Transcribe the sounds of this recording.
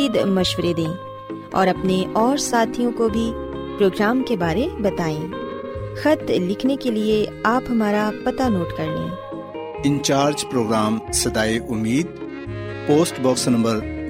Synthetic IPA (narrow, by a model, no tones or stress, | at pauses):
iːd̪mɐʃwəɾed̪ẽː | ɔ̰ːɾɐpneʔɔːɾsaːt̪ʰijõkobʱipɾoːɡɾaːmkebaːɾebɐt̪aːẽː | xɐt̪lɪkʰnekelieaːpɦɐmaːɾapɐt̪anoːʈkɐɾlḛ̃ | ɪ̃nt͡ʃaːɾd͡ʒpɾoːɡɾaːmsɐd̪aːeʔʊmːiːd̪̚ | poːsʈbɔːksnɐ̃mbəɾ